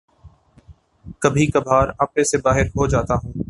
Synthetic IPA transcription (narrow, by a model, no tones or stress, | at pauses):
kɐbʱikɐbʱaːɾaːpesebaːɦɪɾɦod͡ʒaːt̪aɦũː